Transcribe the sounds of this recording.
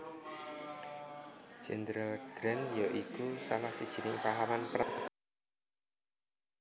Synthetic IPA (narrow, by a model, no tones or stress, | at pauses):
ʒ̥ɛnd̪ɾalɡ̥ɾɛnjaʔikusalahsid̥ʒ̥i̤ɾɪŋpaɦamanpɾa